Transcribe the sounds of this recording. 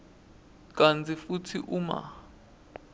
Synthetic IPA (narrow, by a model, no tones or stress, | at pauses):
k̬ʼant͡sʰʼifutʰiʔuma̰